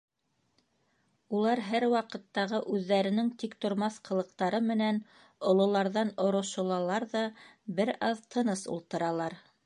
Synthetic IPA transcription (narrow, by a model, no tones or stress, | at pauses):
ulˠɑɾɦæɾwɑqɤ̆t̪ːɑʁɤʔʉðːæɾɘ̆nɘŋt̪ikt̪ŏɾmɑθqɤ̆lˠɤ̆q̚t̪ɑɾɤmɘ̆næn | ŏlˠŏlˠɑɾðɑnŏɾŏʃŏlˠɑlˠɑɾðɑbɘɾɑðt̪ʰɤ̆nɤsṵlˠt̪ɤ̆ɾɑlˠɑɾ